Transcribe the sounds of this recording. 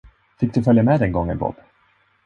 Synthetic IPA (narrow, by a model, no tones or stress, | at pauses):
fɪk̚d̪ɵfœljamɛd̪ɛnɡɔŋːə̰nbɔ̰b